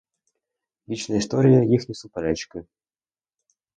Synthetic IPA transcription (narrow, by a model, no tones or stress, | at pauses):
lʲit͡ɕnəjəɪst̪oɾʲɪjəjixnʲɪsupɐlʲat͡ɕkɨ